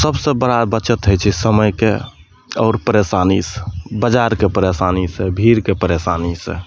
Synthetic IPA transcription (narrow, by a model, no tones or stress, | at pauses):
səbsebəɽabət͡ʃət̪ɦəjt͡ʃʰisəməjke | ɔːɾpəɾesaːnisbəd͡ʒaɾkepəɾesaːnisebʱiɾkepəɾesaːnisḛ